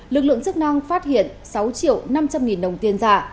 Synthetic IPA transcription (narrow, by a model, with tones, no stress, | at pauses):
lɨ˨˩k̚lɨ̰˧˨əŋt͡ɕɨ˦˥k̚na˧ŋfaː˦˥t̚hḭ˧˨ən | sa˨˦wt͡ɕḭ˧˨əwna˧mt͡ɕa˧mŋi˨˩nɗə˨˩wŋ͡mt̪i˧ənzaː˧˩